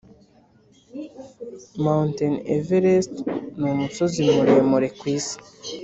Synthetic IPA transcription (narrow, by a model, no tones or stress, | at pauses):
mawntenḛveɾestnumuso̞zimuɾemuɾekwiːsi̥